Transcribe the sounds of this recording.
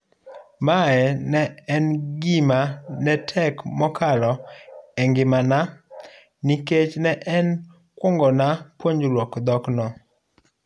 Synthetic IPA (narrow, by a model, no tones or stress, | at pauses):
maɛnɛɛnɡimanɛtʰɛkmɔkʰalɔɛŋɡɪmana | niket͡ʃnɛʔɛn | kwɔŋɡɔnapwoɲd͡ʒɾwɔkd̪ɔknɔ